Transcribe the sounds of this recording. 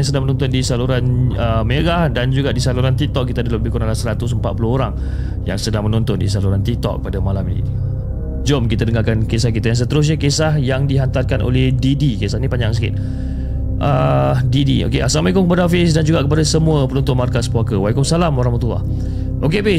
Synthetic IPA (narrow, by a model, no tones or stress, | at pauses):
aŋsədaŋmənɔ̃nt̪ʊndisaluɾanəmeɡahdand͡ʒuɡaʔdisaluɾant̪ik̚t̪ɔk̚kːit̪adalələbihkonalasəɾat̪us̬əmpat̪̚pulohoɾaŋ | ja̰ŋsədaŋmənɔnt̪ʊndis̬aluɾant̪ik̚t̪ɔ̰k̚ːəpadamalaminḭ | d͡ʒomkit̪adəŋakankesahkit̪ajaŋs̬ət̪əɾʊs̬ɲakesahjaŋdiɦant̪arkanʔo̰lɛhdidikesahnipaɲd͡ʒaŋsəkɪ̰t̪̚ | ʔədidio̰keʔa̰sanwajkʊŋkəpadafɪsdand͡ʒuɡaʔkəp̬adasəmũəpəlɔnt̪ʊnmarkaspuakəwajkʊŋsalamoɾãŋmət̪ua̰h | ʔokebe